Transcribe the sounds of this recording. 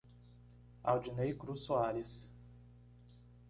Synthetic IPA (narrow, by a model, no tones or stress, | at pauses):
a̰wd͡ʒinejkɾusuaɾis